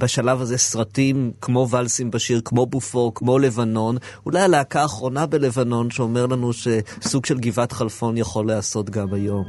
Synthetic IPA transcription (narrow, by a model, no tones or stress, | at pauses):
baʃalavazesʁatimkmo̞valsimbaʃiʁkmo̞bufo̞ʁkmo̞le̞vano̞nulajaleakaːχʁo̞nabe̞le̞vano̞nʃeomeʁlanuʃe̞suɡʃe̞lɡivatχalfo̞njaχo̞leaso̞tɡamajo̞m